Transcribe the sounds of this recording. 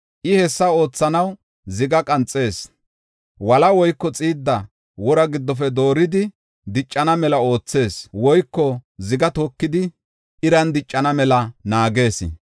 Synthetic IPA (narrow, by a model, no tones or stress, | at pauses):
ʔɪhɛsːɐo̞ːt͡sːɐnɐw | zɪɡɐkʼɐnt͡sʼːe̞ːs | wɐlɐwɔjkːɔt͡sʼiːd̪ːɐ | wɔɾɐɡɪd̪ːɔf̬ɛd̪o̞ːɾɪd̪ɪ | d̪ɪt͡ʃʼːɐnɐmɛlɐo̞ːt͡sːe̞ːswɔjkːɔzɪɡɐt̪oːkːɪd̪ɪ | ʔɪɾɐnd̪ɪt͡ʃʼːɐnɐmɛlɐnaːɡe̞ːsɪ̰